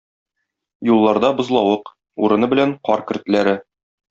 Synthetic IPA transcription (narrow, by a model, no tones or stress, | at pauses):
julˠːɑɾd̪ɑbŏzlˠɑwɤq | uɾɤ̆nɤbɘ̆læŋqɒɾkɘ̆rt̪læɾɘ